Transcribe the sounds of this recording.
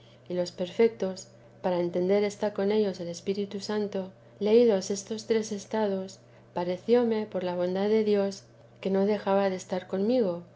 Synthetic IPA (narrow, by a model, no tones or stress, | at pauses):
ilo̞spe̞ɾfe̞k̚t̪o̞s | paɾae̞nt̪e̞nd̪e̞ɾe̞st̪ako̞ne̞ʝo̞se̞le̞spiɾit̪usant̪o̞ | le̞ið̞o̞se̞st̪o̞st̪ɾe̞se̞st̪að̞o̞s | paɾe̞θjo̞me̞po̞ɾlaβ̞o̞nd̪aðe̞ðjo̞s | ke̞no̞ðe̞xaβaðe̞ːst̪aɾko̞nmiɣ̞o̞